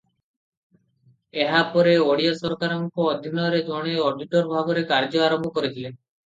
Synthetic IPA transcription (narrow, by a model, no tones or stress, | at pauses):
eɦapɔɾeoɽijasɔɾkaɾɔŋkɔɔd̪ʱinɔɾed͡ʒɔɽ̃eɔɖiʈɔɾbʱaɡɔɾekaɾd͡ʒɔaɾɔmbʱɔkɔɾit̪ʰile